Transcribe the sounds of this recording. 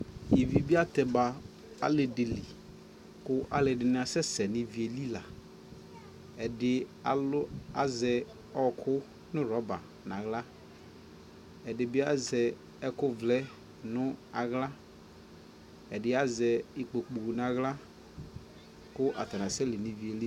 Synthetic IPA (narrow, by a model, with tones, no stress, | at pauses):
ji˨vi˨bi˦a˦t̪ɛ˨ba˨ | a̰˦lɪ˨dɪ˨lɪ˨ | kʊ˦ʔa̰˨lɪ˨dɪ˨nɪ̃˦a˨sɛ˦sɛ˨nɪ˨vi˨˦e˨li˦la˨ | ɛ˨dɪ˨˦ | a˨zɛ˨ | ɔ˦kʰʊ˦ | nʊ̃˦ɾɔ˦ba˨ | nã˨ɣla˦ | ɛ˨dɪ˨bɪ˦a˦zɛ˨ | ɛ˦kʊ˦vlɛ˦ | nʊ˦a˨ɣla˦ | ɛ˨dɪ˦a˦zɛ˨ɪ˨k͡po˨k͡pu˨nã˨ɣla˦ | kʊ˦ʔa̰˨t̪a˨nã˨sɛ˦lɪ˨nɪ̃˨vi˨e˨li˦